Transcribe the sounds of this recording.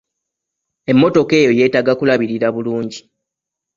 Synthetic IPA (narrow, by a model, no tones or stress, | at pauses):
e̞mːo̞to̞ke̞ːjo̞je̞ːtaɡakulaβiɾiɾaβuluːɲɟi